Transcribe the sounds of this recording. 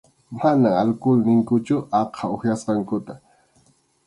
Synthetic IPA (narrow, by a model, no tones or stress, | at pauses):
manaŋalkʊlnɪŋkʊt͡ʃʊɑqʰɑoxjasqɑŋkʊt̪a